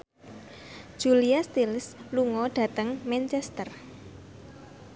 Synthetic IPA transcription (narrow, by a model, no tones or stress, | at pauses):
ʒ̥uliast̪ilsluŋɔɖ̥ä̤t̪əŋmɛnt͡ʃɛst̪ər